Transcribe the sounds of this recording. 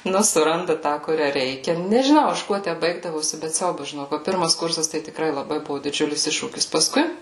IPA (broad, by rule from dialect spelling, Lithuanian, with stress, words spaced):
ˈnʊ sʊˈrɐndɐ ˈtɑː kʊˈrʲæː ˈrʲɛɪkʲɛ nʲɛʒʲɪˈnɐʊ ˈɐʃ ˈkuɔ ˈtʲæ ˈbɐɪɡdɐʋoːsʲɪ bʲɛt ˈsʲɛʊbɐs ʒʲɪˈnoːk ʋɐ ˈpʲɪrmɐs kʊrsɐs tɐɪ tʲɪkˈrɐɪ lˠɐˈbɐɪ ˈbuɔ dʲɪˈd͡ʒʲʊlʲɪs ˈɪʃʃuːkʲɪs pɐˈskʊɪ